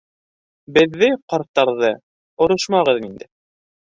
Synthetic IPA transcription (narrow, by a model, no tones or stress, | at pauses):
bɘ̆ðːɘqɑɾt̪ːɑɾðɤ | ŏɾɤʃmɑʁɤðind̪ɘ